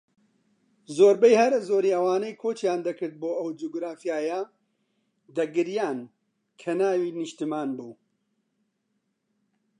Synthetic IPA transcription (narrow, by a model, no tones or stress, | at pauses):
zoːɾbɐjhɐɾzoːɾiːɐwaːnɐjkʰoːt͡ʃjaːnd̪ɐkɨɾt̪̚boːɐwd͡ʒuɡɾaːfijaːjɐ | d̪ɐɡɨɾjaːn | kʰɐnaːwiːnɨʃt̪ɨmaːnbuː